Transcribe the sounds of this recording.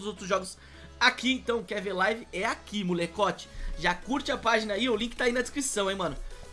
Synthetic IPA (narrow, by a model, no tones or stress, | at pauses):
ʊzowt̪ɾʊzʒɔɡʊs | akiẽt̪ɐ̃w̃kɛɾveɾlajvɪɛakimulekɔt͡ʃɪ̥ʒakuɾt͡ʃɪɐpaʒinɐiʊlĩkɪ̥t̪ainɐd͡ʒɪskɾisɐ̃w̃ẽjmɐ̃nʊ